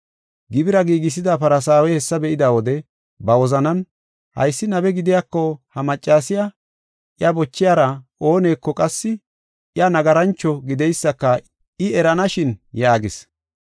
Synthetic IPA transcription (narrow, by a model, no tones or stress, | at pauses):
ɡɪbɪɾɐɡiːɡɪs̬ɪd̪apɐɾɐs̬aːwɛhɛsːɐbɛʔɪd̪aːwɔd̪ɛ | bɐwɔzɐnɐn | hɐ̰jsːɪnɐbɛɡɪd̪ɪjakːɔhɐmɐt͡ʃʼːaːsɪja | ʔjɐbɔt͡ʃːɪjaːɾɐo̞ːne̞ːkːɔkʼɐsːɪ | ʔjɐnɐɡɐɾɐnt͡ʃːɔɡɪd̪ɛjsːɐkːɐ | ɪɛɾɐnɐʃɪnjaːɡɪs